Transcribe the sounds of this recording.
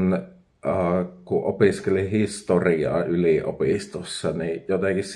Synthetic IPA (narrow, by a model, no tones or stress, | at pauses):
n | ɑːkuʔʔopiskelihist̪oriɑ̰ːyliʔo̰pist̪osːɑnijot̪ekiss